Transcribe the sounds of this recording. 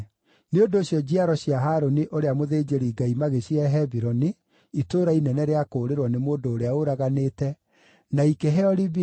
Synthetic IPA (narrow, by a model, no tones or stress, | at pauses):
neondoːɕjɔd͡ʑiaɾɔɕiaɦaːɾoniʔoɾeamoðeːd͡ʑeɾiːɡaimaɣeɕiɛɦɛbiɾɔni | itoːɾainɛnɛɾeakoːɾeɾwɔnemoːndoːɾeaoɾaɣaneːtɛ | naikeɦɛɔɾibi